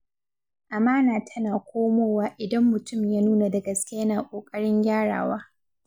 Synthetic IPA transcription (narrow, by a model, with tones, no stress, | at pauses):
ʔa˨maː˦naː˨tʰɐ˦naː˨kʷʰoː˦moː˦waː˦ʔɪ˨dɐ˦mːʊ˨tʊ˦˨mjaː˦nuː˦na˨dɐ˨ɡɐ˦skʲɐ˦naː˨kʷʼoː˨kʼɐ˦ɽɪ˦ŋɡʲaː˦ɽa̰ː˨waː˦